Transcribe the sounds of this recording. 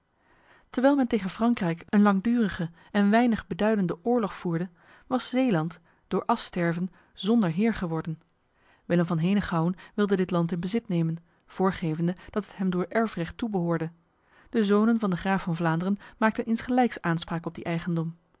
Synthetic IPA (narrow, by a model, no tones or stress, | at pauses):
təɹʋɛjlˠmɛntejχənfrɑŋkrɛjkənlɑŋdyːrəχə | ɛnʋɛjnəχbədœɥdəndəʔʊːɹlɔχfuːɹdə | ʋɑsz̥ejlɑnt | d̥ʊːɹʔɑfstɛɹvən | zɔndəɹɦɪːɹχəʋɔɹdən | ʋɪləmvɑnɦejnəχɑwənʋɪlˠdədɪtlɑntɪnbəzɪtnejmən | v̥ʊːɹχejvəndəd̥ɑtətɦɛmdʊːɹʔɛɹfrɛχtːubəɦʊːɹdə | d̥əzownənvɑndəχraːfɑnvlaːndərənmaːk̚tənɪnsχəlɛjksʔaːnspraːkɔb̚diʔɛjχəndɔm